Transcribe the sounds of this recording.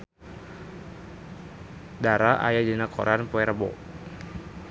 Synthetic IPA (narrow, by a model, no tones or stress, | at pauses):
daɾaʔa̰jadinakʰɔ̰ɾanpɔɛɾəbɔ̰